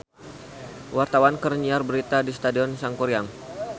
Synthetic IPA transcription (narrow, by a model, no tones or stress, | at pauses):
wart̪awankərɲiarbəɾit̪adisə̥t̪adiɔnsaŋkuɾiaŋ